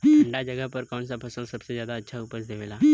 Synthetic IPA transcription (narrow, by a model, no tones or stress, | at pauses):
ə̃ɳɖad͡ʒɐɡəɦpəɾkɔːns̬apʰɐsə̃lsɐbsezjaːd̪aɐtːʃʰaʊpəsd̪emelaː